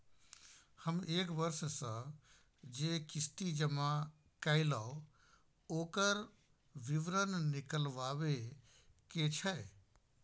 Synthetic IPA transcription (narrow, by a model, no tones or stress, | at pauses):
həmeːkbəɾssə̃ | d͡ʒeːkɪsʈ̪id͡ʒəma | kəɪlaːo | oːkəɾ | ʋɪʋɾənnɪkəlʋaːʋe | ket͡ʃʰɛ